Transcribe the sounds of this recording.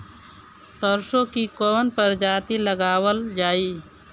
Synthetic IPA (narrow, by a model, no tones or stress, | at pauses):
səɾʃõkikoːnpəɾd͡ʒaːt̪iləɡaːwəld͡ʒaːiː